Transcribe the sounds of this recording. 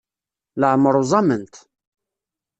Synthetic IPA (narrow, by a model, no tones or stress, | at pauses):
ləʕməɾˤuzˤɑmənt̪